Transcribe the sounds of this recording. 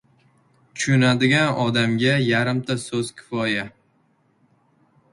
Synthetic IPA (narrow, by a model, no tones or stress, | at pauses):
t̪ʰʊ̥ʃʊnad̪ɪɡʲanɒd̪amɡʲajaɾɪmt̪ʰasɵz̥kʲʰɪ̥fɒja